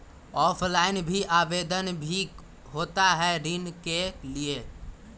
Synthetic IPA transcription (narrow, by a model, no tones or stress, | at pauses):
ɔːpʰlaɪnbʱiʔabed̪ənbʱi | ɦot̪aɦɛɾinkelie